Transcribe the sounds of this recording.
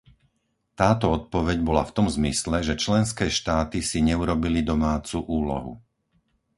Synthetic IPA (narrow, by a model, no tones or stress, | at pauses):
t̪aːt̪ɔɔt̪̚pɔʋɛɟbɔlaft̪ɔmzmislɛʒɛt͡ʃlɛnskɛːʃt̪aːt̪isiɲɛuɾɔbilid̪ɔmaːt͡suʔuːlɔ̰ɦṵ